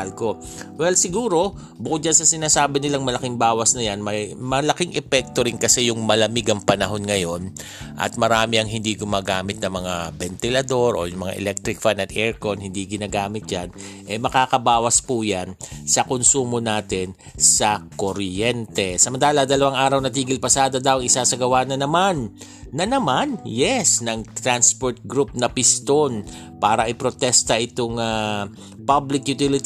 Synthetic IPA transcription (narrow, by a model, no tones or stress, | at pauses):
lko̞ | wɛlsɪɡuːɾo̞ | bʊkot̪̚d͡ʒɐnsɐsɪnaːsaːbɪnɪlaŋmɐlɐkɪŋbaːwɐsnɐjanmɐjmɐlɐkɪŋʔɛpɛk̚t̪o̞ɾɪnkɐsɛjʊŋmɐlɐmiɡɐŋpɐnɐɦo̞nŋɐjo̞n | ʔɐ̰t̪̚mɐɾaːmɪɐŋɦɪnd̪iɡʊmaːɡaːmɪt̪̚nɐmɐŋabɛnt̪ɪlɐd̪o̞ɾʔo̞̰ːjʊŋmɐŋa̰ʔɛ̰lɛk̚t̪ɾɪk̚fanɐt̪ʔɛɹkonhɪnd̪iɡɪnaːɡaːmɪt̪̚d͡ʒanʔɛmɐkaːkɐbaːwɐspujansɐkonsuːmo̞naːt̪ɪn | sɐkoɾjɛnt̪ɛsɐmɐnt̪aːlɐd̪ɐlɐwaŋʔaːɾɐwnɐt̪̬iːɡɪlpɐsaːd̪ɐd̪ɐwɐŋʔɪsasɐɡɐwaːnɐnɐmanː | ɐnɐmanjɛsnɐŋt̪ɾanspoɹt̪̚ɡɾup̚nɐpɪst̪o̞n | paːɾɐʔɪpɾot̪ɛst̪ɐʔɪt̪oŋa | pablɪkjʊt̪ɪlɪt̪